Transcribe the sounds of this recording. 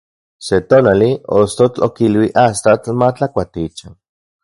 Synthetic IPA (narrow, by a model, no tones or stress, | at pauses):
set̪onaliost̪ot͡ɬokilwiʔast̪at͡ɬmat͡ɬakʷat̪it͡ʃan